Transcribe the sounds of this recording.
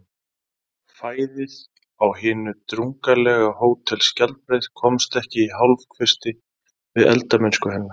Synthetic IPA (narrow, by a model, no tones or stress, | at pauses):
faːjðɪð | awhɪːnʏt̪ɾuŋkalɛːɣahoːwt̪ʰːɪlscal̚pɾejð̥kʰɔmst̪ɛhcɪiɦawlvkʰvɪst̪ɪ | vɪðɛ̰lt̪amɪnskʏɦɛnːa